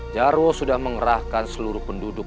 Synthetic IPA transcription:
d͡ʒarwosudahməŋəɾahkansəluɾʊhpəndudʊ

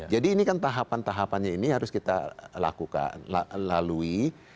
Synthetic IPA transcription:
d͡ʒadiːnikant̪aɦapant̪aɦapanɲainiɦaɾʊskit̪a̰la̰kuka̰nlalalui

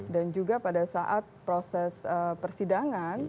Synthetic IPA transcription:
dand͡ʒuɡapadasaʔat̪̚pɾosɛsəpərsidaŋan

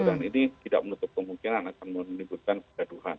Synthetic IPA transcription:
əɾaŋinit̪ida̰ʔmənut̪ʊp̚kəmuŋkinanakanmənibut̪̚kankədaduɦan

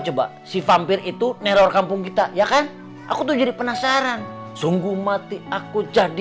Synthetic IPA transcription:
t͡ʃəba̰ | sifampɪɾit̪unɛɾɔrkampʊŋkit̪ajakan | ʔa̰kut̪ud͡ʒadipənasaɾan | suŋɡumat̪iakud͡ʒadi

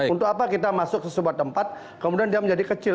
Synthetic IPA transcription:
unt̪ʊkapakit̪amasʊk̚səsubuat̪ːəmpat̪̚ | kəmudiandiaməɲd͡ʒadikət͡ʃɪ

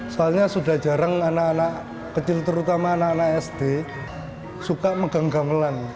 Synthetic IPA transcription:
soalɲasud̥a̤hd͡ʒ̥a̤ɾaŋanaːnaʔ | kət͡ʃɪlt̪əɾut̪amaːnaʔːnaʔɛsd̥e | sukaʔməɡ̥aŋɡaməlan

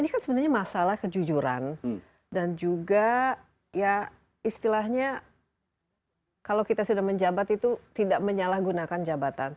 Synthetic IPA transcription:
inikansəbənarɲamasalahkəd͡ʒud͡ʒuɾa̰n | dand͡ʒuɡa | ja | ist̪ilahɲa | kalawkit̪asudaŋməɲd͡ʒabat̪it̪ut̪idaʔməɲalahɡunakand͡ʒabat̪a̰n

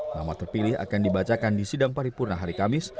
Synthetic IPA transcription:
ma̰mat̪ərpilɪha̰kandibat͡ʃakandisidaŋpaɾipurnaɦaɾikamɪs

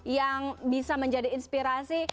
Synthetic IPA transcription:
jaŋbisaməɲd͡ʒadiːnspiɾasi

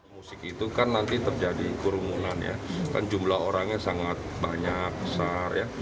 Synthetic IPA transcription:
musɪkit̪ukanːant̪it̪ərd͡ʒadikuɾumṵnanja̰ka̰nd͡ʒumlaɦoɾaŋɲasaŋat̪̚baɲak̚bəsarja̰

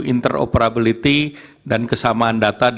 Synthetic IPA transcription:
int̪əro̰pəɾabilit̪i | dankəsamaːndat̪ad

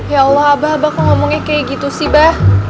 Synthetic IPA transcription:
jaːlːɔɦabaɦabakaŋɔmɔŋɲakajaɡit̪usihbah

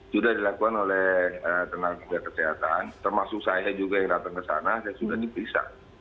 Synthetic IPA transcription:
sudahdilakuanolɛət̪ənaŋəmiakəseɦat̪ant̪ərmasʊk̚sajad͡ʒuɡajaŋdat̪aŋkəsa̰nasajasudahdipɾisa̰

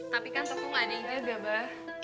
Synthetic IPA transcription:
t̪apikansəmuŋaniaɡabah

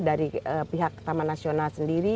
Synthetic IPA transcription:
daɾiəpiɦak̚t̪amanasionalsəndiɾi

